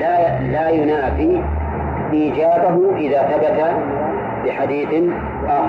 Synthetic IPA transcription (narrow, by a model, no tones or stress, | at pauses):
a | laːjʊnaːfiː | ʔiːd͡ʒaːbaɦʊʔɪðaːθabat̪a | bɪħad̪iːθ | ʔax